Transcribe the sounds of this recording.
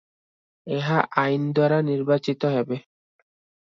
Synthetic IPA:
ɛɦaʔaind̪waɾaniɾbat͡ʃit̪ɔɦɛbɛ

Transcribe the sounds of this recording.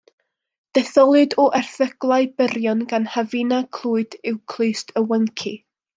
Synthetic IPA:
d̥ɛθɔlˠɨdɔʔɛrθəɡ̥lˠaɨbəɾjɔnɡanhavɪnakʰl̥ˠuːɨd̥ɪwkʰl̥ˠɨɨstʰəwəŋkʰḭ

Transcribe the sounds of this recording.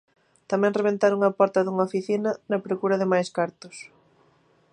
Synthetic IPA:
t̪amɛ̃ŋreβẽnt̪aɾoŋɐpɔɾt̪ɐðuŋɐofiθinɐnɐpɾokuɾɐðɪmajskaɾt̪ʊs

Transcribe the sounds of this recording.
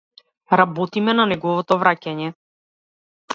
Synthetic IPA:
ɾabɔt̪imɛnanɛɡɔvɔt̪ɔvɾacaɲɛ

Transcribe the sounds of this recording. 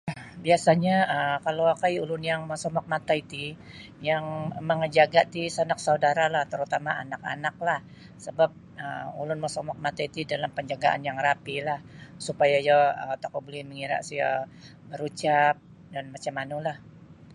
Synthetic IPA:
biasaɲaəkalowakajulʊnjaŋməsɔmɔk̚mat̪ait̪i | jaŋməŋəd͡ʒaɡaʔt̪isanak̚saudaɾalaht̪əɾut̪amaanaka̰nak̚lah | səbap̚ə̰ṵlʊnməsɔmɔk̚mat̪ait̪idalampəɲd͡ʒaɡaʔa̰njaŋrapilahsupajajaət̪akubulɛhməŋiɾa̰ʔsiɦə̰ | əɾut͡ʃap̚ | danmat͡ʃamanulah

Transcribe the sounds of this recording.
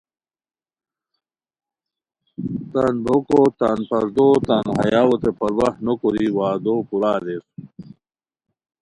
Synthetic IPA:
t̪anbokot̪anpɐɾd̪ot̪anɦɐ̰jaːwot̪epɐɾwɐhnokoɾiwaːd̪oːpuɾaːd̪es

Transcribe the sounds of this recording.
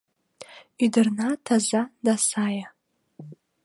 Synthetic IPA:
idɨrnatʰazadasaja

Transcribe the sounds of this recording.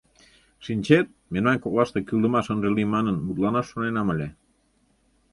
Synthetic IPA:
ʃinʲt͡ɕet̪̚menmɑnkoklɑʃt̪ekyld̪ə̆mɑʃənʒəlimɑnənmut̪̚lɑnɑʃːonenɑmə̆lʲe

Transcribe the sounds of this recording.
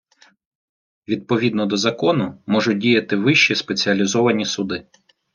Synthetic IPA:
ʋʲid̪̚pɔʋʲid̪nɔd̪ɔzɐkɔnʊmɔʒʊdʲijɐt̪ɪʋɪʃt͡ʃispet͡sʲiɐlʲizɔʋɐnʲisʊd̪ɪ

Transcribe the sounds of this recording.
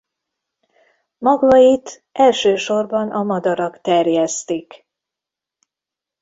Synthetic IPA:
mɒɡɒit̪ | ʔɛlʃøːʃo̞rbɒnʔɒmɒd̪ɒɾɒkt̪ɛrjɛst̪ik

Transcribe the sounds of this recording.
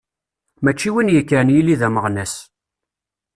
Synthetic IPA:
mæt͡ʃːiwinjəkːəɾnjilːiðæməʁnæs

